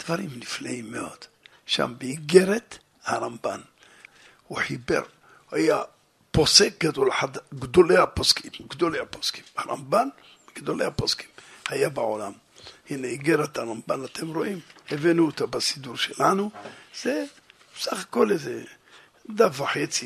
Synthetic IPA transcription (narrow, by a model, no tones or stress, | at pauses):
d̪̥vaɾimniflaimːeo̞̰d̪̥ | ʃa̰mbeiɡeɾet̪ | haɾamba̰n | uħibḛɾ | haja | po̞sek̚ɡad̪o̞lħad̪ɡd̪olehaposkʰimɡd̪o̞leaposki̥maɾa̰mban | ɡ̥d̪o̞lḛhaposki̥mhajabaʕolam | hineiɡeɾet̪aɾambanat̪ʰemɾo̞ʔimhevinuet̪abasid̪uɾʃelanuz̥e | besaχako̞leze | d̪afaħet͡si